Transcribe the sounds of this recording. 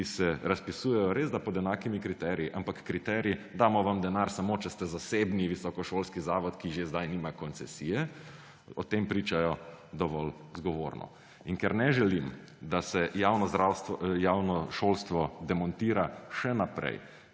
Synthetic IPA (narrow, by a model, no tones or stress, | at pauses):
isɛɾaspisuːjɛjɔɾezd̪apɔd̪ɛnaːkimikɾit̪ɛɾiiʔampakːɾit̪ɛɾjid̪aːmɔʋamd̪ɛnaɾsamot͡ʃɛst̪ɛzaseːbniʋisɔkɔʃoːlskizaːʋɔt̪kiʒezd̪ajniːmakɔnt̪sɛsijɛ | ɔt̪empɾiːt͡ʃajɔd̪ɔʋɔlzɡɔʋo̰ːɾnɔ̰ | iŋkɛɾnɛʒɛlim | d̪asɛjawnɔɾawsjaːwnɔʃolst̪ʋɔd̪ɛmɔnt̪iːɾaʃɛnapɾɛ̰j